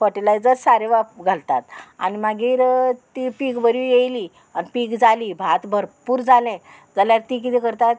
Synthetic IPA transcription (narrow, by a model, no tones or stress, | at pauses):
pəʈelajd͡zəɾsaɾeʋapɡʱalt̪at̪a̰nimaɡiːɾt̪ipikbəɾujejli | anipikd͡zalibʱat̪bʱəɾpuːɾd͡zalɛ̃ | d͡zaljaɾt̪ik̬it̪ʰĩkəɾt̪at̪